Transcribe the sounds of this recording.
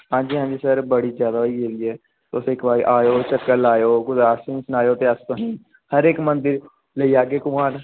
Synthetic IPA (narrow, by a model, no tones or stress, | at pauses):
ɦãːɲd͡ʒiːɦãːɲd͡ʒiːsəɾbəɽizjaːd̪aoːid͡ʒeːɾiːɛː | t̪osɪːkʋaːiʔaːjoːt͡ʃəkːəlaːjoːɡʊd̪ɾaːsẽĩsnaːjoːt̪eəst̪õɦĩː | həɾeːkmə̃nd̪ɪɾ | ləiaːɡeːkʊmaːɾ